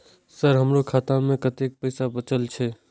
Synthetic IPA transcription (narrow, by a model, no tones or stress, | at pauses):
səɾɦəmɾokʰaːt̪ãmẽkət̪eːk̚pəːsabət͡ʃəlt͡ʃʰeː